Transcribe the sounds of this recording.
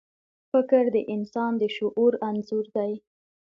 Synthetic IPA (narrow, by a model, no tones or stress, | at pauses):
fɪkɾd̪əʔɪnsɑnd̪əʃʊʔuɾanzʊɾd̪aj